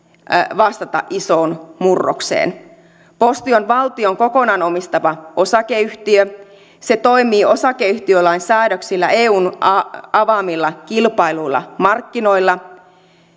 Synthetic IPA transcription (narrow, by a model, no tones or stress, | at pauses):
ʋɑst̪ɑt̪ɑ̰ʔiso̞ːnmurːo̰ksḛːn | post̪io̞nʋɑlt̪ioŋko̞ko̞nɑno̞mist̪ɑʋɑo̞sɑkeyht̪iø | set̪o̞jmiːo̞sɑkeyht̪iølɑinsæːdøksilːæe̞ːuːnɑɑʋɑːmilːɑkilpɑilujlːɑ̰mɑrkːino̞ilːɑ